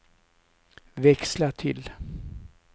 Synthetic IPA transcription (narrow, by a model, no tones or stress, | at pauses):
vɛkslaʈʰɪ̰l